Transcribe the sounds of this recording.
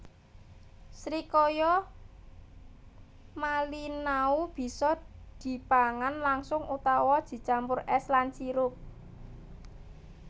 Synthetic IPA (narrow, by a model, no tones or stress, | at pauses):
sɾikojɔ | malinaub̥i̤sɔd̪̥i̤paŋanlaŋsʊŋʔut̪awɔd̥d̥i̤t͡ʃampʊrʔɛslant͡ʃiɾʊp̚